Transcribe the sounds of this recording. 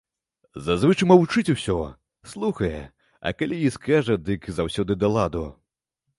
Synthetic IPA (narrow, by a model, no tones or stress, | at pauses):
zazvɨt͡ʂɨmɐwut͡ʂɨt͡sʲusʲɔ | slˠuxɐjɛ̰ | ɐ̰kalʲijiskaʐɐd̪ɨkzawsʲɔd̪ɨd̪ɐlˠad̪u